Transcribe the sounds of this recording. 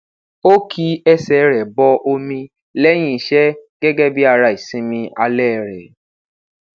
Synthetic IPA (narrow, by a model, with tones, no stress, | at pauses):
o˦kʰi˧ɛ˦sɛ˨ɾɛ˨bɔ˧ʔo˧mĩ˧ | lɛ˦j̃ĩ˦˨ʃɛ˦ɡɛ˦ɡɛ˦bi˦a˧ɾa˧˨i˨sĩ˦mĩ˧a˧lɛ˦˨ɾɛ˨